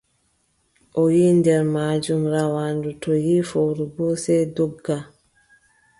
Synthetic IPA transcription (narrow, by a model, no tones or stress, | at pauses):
ʔɔjindɛɾmaːd͡ʒumɾawandutɔjifɔwɾubɔsɛdɔɡːa